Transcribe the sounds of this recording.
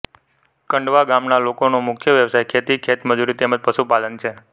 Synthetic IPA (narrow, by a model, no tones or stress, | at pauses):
kəɳɖʋaɡamnalokonomʊkʰjəʋjəʋsajkʰet̪ikʰet̪məd͡ʒuɾit̪eməd͡ʒpəʃupalənt͡ʃʰe